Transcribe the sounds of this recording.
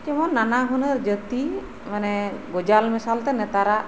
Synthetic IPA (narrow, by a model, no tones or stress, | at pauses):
kɛmɔnːanaɦunəɾd͡ʒət̪i | manɛɡɔd͡ʒalmɛsalt̪ɛnɛt̪aɾaʔ